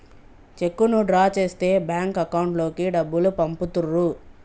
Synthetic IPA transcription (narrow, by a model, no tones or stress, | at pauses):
t͡ʃe̞kːunuɖɾaːt͡ʃe̞ːst̪e̞ːbjaːŋkɐkɐwuɳʈlo̞ːkiɖɐbːulupɐmput̪urːu